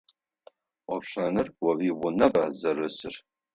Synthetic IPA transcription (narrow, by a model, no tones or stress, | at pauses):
ɔpɕɐnɨrwɐwiːbʷʊnɐbazɐrɨsɨr